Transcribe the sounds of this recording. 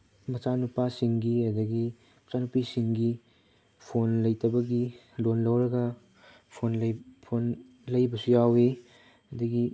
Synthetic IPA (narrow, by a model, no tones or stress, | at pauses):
mɐt͡ʃanupasiŋɡiɐdɐɡi | mɐt͡ʃanupisiŋɡi | pʰonlɐjtɐbɐɡi | lonlɐwɾɐɡɐ | pʰonlpʰon | lɐjbɐsujawe | ɐdɐɡi